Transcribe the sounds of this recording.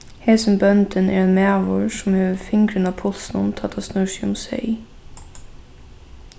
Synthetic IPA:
hɛːsənbœnt̪ənʔɛ̰ɾɛnmæːʋʊɹsʊmheːʋəfɪŋkɾənapʰʊlsnʊnt̪ʰɑt̪ʰːasnʉsiʊ̰msɛ̰ɪ

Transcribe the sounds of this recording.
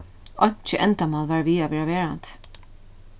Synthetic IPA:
ʔɔɲ̥t͡ʃɪʔɛnt̪amɑːlʋaːɹʋiːaʋɛːɾaʋeːɹant̪

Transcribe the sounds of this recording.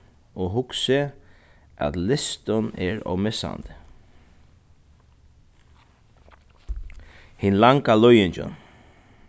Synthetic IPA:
ɔːɦʊksə | ʔæ̰t̪lɪst̪ʊnɛɹɔ̰wmɪsa̰ndt̪ə | hɪnlaŋkalɔjɪnt͡ʃʊ̰n

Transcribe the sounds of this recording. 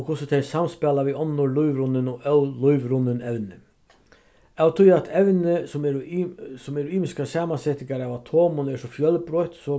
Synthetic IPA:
ɔkʰʊsət̪ʰɛsamspalaʋiɔnːʊɾlʊjʋɾʊnːənɔlʊʏʋɾʊnːənɛʋnə | awt̪ʰʊjat̪ʰɛvnəsɔmɛɾsɔmɛɾiːmɪskasæːmansɛːt̪ɪŋkaɾaʋat̪ʰoːmʊnɛʂɔfjœlbɾɔʏt̪sɔ

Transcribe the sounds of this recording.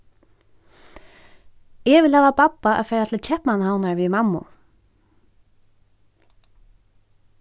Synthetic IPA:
ɛvɪlhaːvapapːaʔa̰ðfɛːjɾat̪ʰɪlt͡ɕʰɛhpnanhawnaɹviðmamːʊ̰

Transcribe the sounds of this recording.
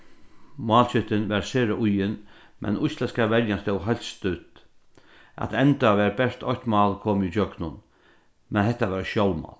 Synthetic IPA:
mɑːlt͡ʃʏt̪ɪnʋɛɾseːɾaʔʊjɪn | mʔɛ̰nʊjslɛskaʋɛɾjanst̪ɔwɦajlt̪st̪ʉt̪ | a̰t̪ɛnt̪aʋɛːɾbɛʂt̪ʰɔht̪mɑːlkʰoːmid͡ʒœɡnʊn | mɛnhɛht̪ːaʋɛɾʃjɔwlmɑ̰ːl

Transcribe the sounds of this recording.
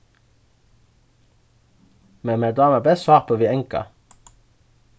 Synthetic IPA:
memed̪ɑːməbɛsɑːʁpəʋiːɛŋkɑ̰

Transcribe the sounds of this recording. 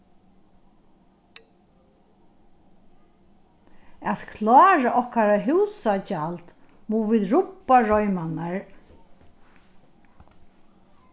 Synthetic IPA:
at̪kʰlɑːɾaʔɔhkaɾaɦɪwsat͡ʃalt̪ | muʋiːðɹʊpːaɹɔjmanaɹ

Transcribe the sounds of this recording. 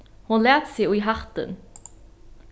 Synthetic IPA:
hʊnleːt̪siːʊiɦɑʁt̪ə̰n

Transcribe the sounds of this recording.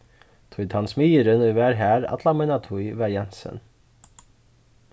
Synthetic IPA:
t̪ʰʊjt̪ʰansmijəɾɪnujvɛːɾɦæːɾa̰t̪lamajnat̪ʰujvɛɾjɛnsɪ̰n

